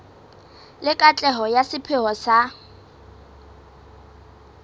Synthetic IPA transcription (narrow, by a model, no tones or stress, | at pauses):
lɪkʼat͡ɬʼɛɦɔjasɪpʰɪɦɔsa